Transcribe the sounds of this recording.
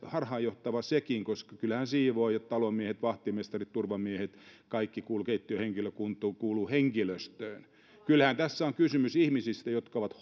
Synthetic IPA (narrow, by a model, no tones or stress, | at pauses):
hɑrhɑːjoht̪ɑʋɑsekiŋkoskɑkylhænsiːʋoijot̪t̪ɑlomiehet̪ʋɑht̪imest̪ɑrit̪t̪urʋɑmiehet̪kɑikːikuːlukeit̪ːyøheŋkiløkunt̪ˑuːkuːluheŋkiløst̪øːn | kylhænt̪æsːæoŋkysymysihmisist̪æjot̪kɑoʋɑt̪